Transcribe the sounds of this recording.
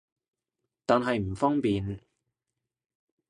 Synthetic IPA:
t̪aː˨˧nɦɐ˨jm̩˨˩fɔː˥ŋpiː˨n

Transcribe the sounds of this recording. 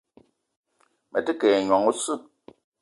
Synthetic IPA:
mɛ˨tɨ˦kɛː˨ɲwɔ˨ŋu˦sɨ˦˨

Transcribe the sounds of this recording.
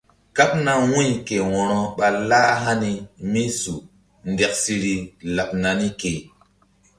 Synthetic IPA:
ka˦p̚na˦wũ˦jke˨wɔ̃˨ɾɔ˦ɓa˨la˦ɦa˦ni˦mi˦su˨ | nde˨k̚si˦ɾi˦la˨p̚na˨ni˦ke˨

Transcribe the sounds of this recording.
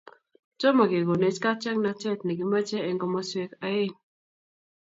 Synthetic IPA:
t͡ʃɔ˦ma˨ɡe˨ɡo˨ne˨t͡ʃka˦t͡ʃɛ˦ŋna˨t͡ʃɛ˦˨tnɛ˨ɡi˨ma˦t͡ʃɛ˦ɛ˦ŋɡɔ˦ma˦swe˦ka˦e˦n

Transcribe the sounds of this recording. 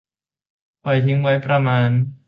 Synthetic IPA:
pʰa˨˩jt̪ʰi˦˥ŋwa˦˥jpɾa˧maː˧n

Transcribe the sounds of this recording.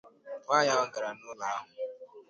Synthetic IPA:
ba˦ja˦ɔ˦ɡa˨ɾa˨nʊ˦la˦a˦ɦʊ˨

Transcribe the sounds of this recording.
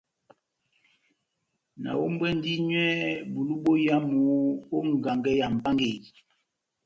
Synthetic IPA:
na̰˨wo˦m˦bwɛ˦n˦di˦ɲwɛ˦bu˨lu˦bo˦ja˦mu˨˦o˦ŋ˨ɡa˨ŋɡɛ˦ja˨m̩˨pa˦ŋɡe˦˨

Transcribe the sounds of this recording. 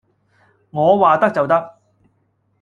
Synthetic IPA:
ŋɔː˨˧waː˨t̪ɐ˥k̚t͡sɐ˨wt̪ɐ˥k̚

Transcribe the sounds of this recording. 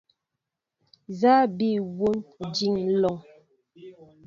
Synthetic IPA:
za˦bi˦˨wo˦nd͡ʒi˦˨ŋlɔ˨ŋ

